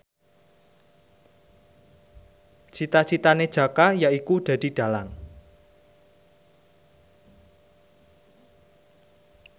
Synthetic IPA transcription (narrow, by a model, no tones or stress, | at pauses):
t͡ʃit̪at͡ʃit̪aned̥ʒ̥a̤kajaikud̪̥ä̤d̪̥i̤ɖ̥a̤laŋ